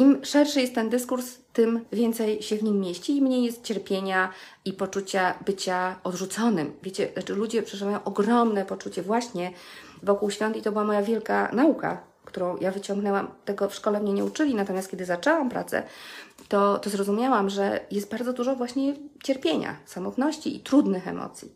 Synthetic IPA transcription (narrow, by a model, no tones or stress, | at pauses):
imʂɛɾʂɘjɛst̪ːɛnd̪ɘskuɾst̪ɘmvʲjɛnt̪sɛjɕɛvɲimːjeɕt͡ɕiːmɲejɛst̪̚t͡ɕɛɾpʲjeɲa | ipɔt͡ʂut͡ɕabɘt͡ɕaɔd̪ʐut̪sɔnɘmvʲjet͡ɕɛnat͡ʂɘlud͡ʑɛpʂɛʐɘvajɔ̃w̃ʔɔɡɾɔmnɛpɔt͡ʂut͡ɕɛvwaɕɲɛvɔkuwɕfʲjɔnt̪it̪ɔbɘwamɔjavʲjɛlka̰nauka̰ | kt̪uɾɔ̃w̃javɘt͡ɕɔ̃ŋɡnɛwamt̪ɛɡɔfʂkɔlɛmɲɛɲɛut͡ʂɘlʲinat̪ɔmʲjast̪kʲed̪ɘzat͡ʂɛwampɾa̰t̪sɛ̰t̪ɔt̪ɔzɾɔzumʲjawamʐɛjɛst̪̚baɾd̪zɔd̪uʐɔvwaɕɲɛt͡ɕɛɾpʲjeɲa̰samɔt̪nɔɕt͡ɕḭḭt̪ɾud̪nɘxɛ̰mɔ̰t̪sʲji